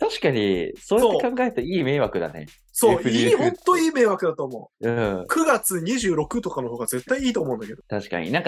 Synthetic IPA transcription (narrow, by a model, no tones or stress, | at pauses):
t̪aɕi̥kaɲ̟ḭsoːjaotːekãŋɡaeɾɯ̟t̪oiːme̞ːβakɯ̟d̪a̰nḛ | soːɯɾiihõnt̪ːo̞iːme̞ːβakɯ̟d̪at̪oːmo̞ɯ̟̃ːkʰɯ̟ɡat͡sɨɲ̟iʑɨːɾo̞kɯ̟t̪o̞kano̞ɦoːɡaze̞t̪ːaiiːt̪o̞ːmo̞ɯ̟̃nd̪ake̞d̪ot̪aɕi̥ka̰ɲ̟ḭnãŋka